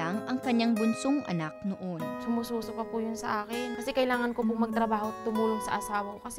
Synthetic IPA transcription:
aŋʔɐŋkɐɲːaŋbʊnsoŋʔɐ̰nak̚noʔonsʊmuːsuːsopɐpujʊnsɐʔaːkɪnkɐsɛkɐjlaːŋɐnkopʊŋmɐɡ̚t̪ɾɐbaːho̞t̪ʊmuːloŋsɐ̰ʔɐsaːwɐkokɐsɛ

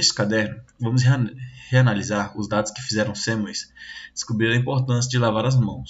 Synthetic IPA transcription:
skad̪ɛɾnʊvɐ̃mʊs̬heanalizaɾʊzd̪ad̪ʊskɪ̥fizɛɾɐ̃w̃sẽmʊisd̪̥ɪ̥skubɾiɾɐĩmpoɾt̪ɐ̃s̬jɐd͡ʒɪlavaɾɐzmɐ̃w̃s

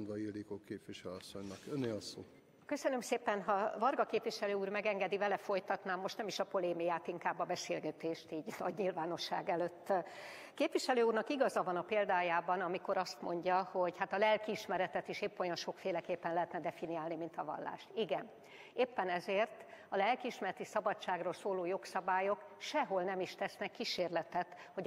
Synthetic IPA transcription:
nd̪vɒilikoːkeːpʋiʃɛløɒsːoɲnɒkønːeːlɒsoː | kø̞sø̞nømseːpɛnɦɒvɒrɡɒkeːpʋiʃɛløːuːrmɛɡɛŋɡɛd̪ivɛlɛfo̞jt̪ɒt̪naːmːo̞ʃt̪nɛmiʃɒpo̞leːmijaːt̪iŋkaːbːɒbɛseːlɡɛt̪eːʃt̪iːɟnɒ̰ɟɲilvaːno̞ʃːa̰ːɡɛløːt̪ː | keːpʋiʃɛløːuːrnɒkiɡɒzɒvɒnɒpeːld̪aːjaːbɒnɒmiko̞ɾɒst̪mo̞ɲɟɒho̞ɟhat̪ɒlɛlkiiʃmɛɾɛt̪ɛt̪iʃeːpːojɒnʃo̞kfeːlɛkeːpːɛnlɛɦɛt̪nɛd̪ɛfiniaːlnimint̪ɒvɒ̰lːa̰ːʃt̪iɡɛn | eːpːɛnɛzeːrt̪ɒlɛlkiiʃmɛɾɛt̪isɒbɒt͡ʃːaːɡroːlsoːloːjo̞ksɒbaːjo̞kʃɛɦo̞lnɛmiʃt̪ɛsnɛkːiʃeːrlɛt̪ɛt̪ho̞

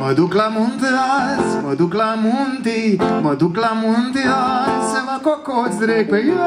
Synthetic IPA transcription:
məd̪ʱuklamund̪asməd̪ʱuklamunt̪iməd̪ʱuklamund̪aseʋakokot͡sɾekəj

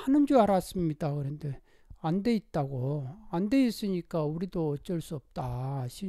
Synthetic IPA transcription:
hanɯnd͡ʑuaɾas͈ɯmɲid̥akɯɾʌnde | ande̞it̚t͈aɡoande̞is͈ɯɲik͈auɾidoʌt͡ɕ͈ʌɭs͈uʌp̚t͈aɕʰi

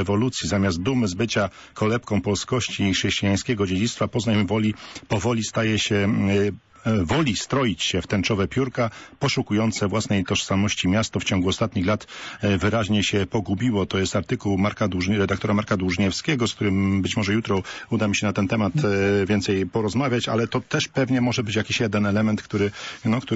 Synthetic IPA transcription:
ɛvɔlut̪sʲjizamʲjazd̪̚d̪umɘzbɘt͡ɕa | kʰɔlɛpkɔ̃w̃pɔlskɔɕt͡ɕiʂɛɕt͡ɕijaj̃skʲɛɡɔd͡ʑed͡ʑit̪st̪fapɔznajmvɔlʲipɔvɔlʲist̪ajɛɕɛ | vɔlʲist̪ɾɔjit͡ɕɕɛft̪ɛnt͡ʂɔvɛpʲjuɾkapɔʂukujɔnt̪sɛvwasnɛjt̪ɔʂsamɔɕt͡ɕimʲjast̪ɔft͡ɕɔ̃ŋɡuɔst̪at̪ɲixlat̪vɘɾaʑɲɛɕɛpɔɡubʲiwɔt̪ɔjɛst̪aɾt̪ɘkuwmaɾkad̪wuʐɾɛd̪akt̪ɔɾamaɾkad̪wuʐɲɛfskʲɛɡɔsk̚t̪uɾɘmbɘt͡ɕmɔʐɛjut̪ɾɔud̪amʲiɕɛnat̪ɛnt̪ɛmat̪vʲjɛnt̪sɛjpɔɾɔzmavʲjat͡ɕa̰lɛt̪ɔt̪ɛʂpɛvɲɛmɔʐɛbɘt͡ɕjakʲiɕjɛd̪ɛnɛlɛmɛnt̪kt̪uɾɘnɔkt̪u

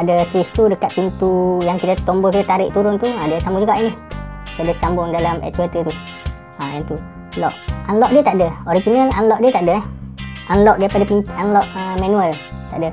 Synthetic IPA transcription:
adəswist̪udəkat̪̚pint̪ujaŋkit̪at̪ɔmbɔkit̪at̪aɾɪ̰ʔt̪uɾʊnt̪uadəsamud͡ʒuɡaʔinikadat͡ʃambʊŋdalamɛ̰t͡ʃwet̪ət̪u | ajant̪u | lɔʔanlɔʔdiət̪aʔdəoɾid͡ʒinəlanlɔʔdiət̪aʔdəhʔanlɔʔdaɾipadapinanlɔʔəmanuəlt̪a̰ʔdə

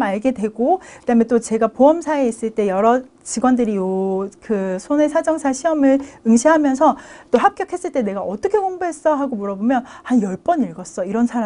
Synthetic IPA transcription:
maɭɡe̞dwe̞ɡokɯd̥aɦɯmjent͈ot͡ɕe̞ɡapoʌmsʰaeis͈ɯɭt͈e̞jʌɾʌ | t͡ɕiɡwʌndɯɾijokɯsʰone̞sʰad͡ʑʌŋsʰaɕʰiʌmɯɭɯŋɕʰiɦamjʌnsʰʌt͈ohap̚k͈jʌkʰe̞s͈ɯɭt͈e̞ne̞ɡaʔʌt͈ʌkʰe̞koŋbuɦe̞s͈ʌɦaɡomoɾʌbomjʌnhanjʌɭp͈ʌniɭɡʌs͈ʌiɾʌnsʰaɾa

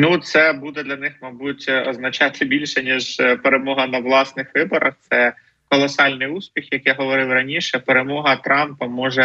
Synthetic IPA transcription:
nut̪sɛbud̪ɛd̪lʲɐnɪxmɐbutʲɔznɐt͡ʃɑt̪ʰɪbʲilʲʃɛnʲiʒpeɾemɔɦɐnɐʋlˠɑsnɪxʋɪbɔɾʔɐxt̪sɛ | kɔlˠɔsɑlʲnɪjuspʲixjɐkjaɦɔʋɔɾɪwrɐnʲiʃɛpeɾemɔɦɐt̪ɾɑmpɐmɔʒɛ

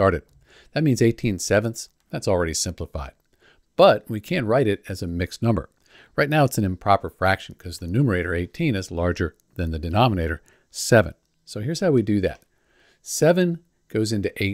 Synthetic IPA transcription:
ɑɹɾɨd̪̚ | ðɨt̚mĩnzeɪtʰĩnsɛvɨ̃nθ | ðætsl̩ˠɹɛɾisɪ̃mpləfa̰ɪd̚ | b̥ʌt̚wikʰæ̃nʔɹaɪɾɪɾɨzɨmɪksnʌ̃mbə̰˞ | ɹaɪtⁿnaʊətsn̩ɨ̃mpʰɹ̥ɑpə˞fɹækʃn̩kʰʌzðɨnʉmə˞eɪɾə˞eɪtʰĩnɨzlɑɹd͡ʒə˞ | ðɨ̃nðɨdɨnɑməneɪɾə̰˞ | sɛvɨ̰̃n | soʊɦɪɹz̥haʊwidɨðɨ̰t̚ | sɛvɨ̃n | ɡ̥oʊzɪ̃ntʉʔeɪ

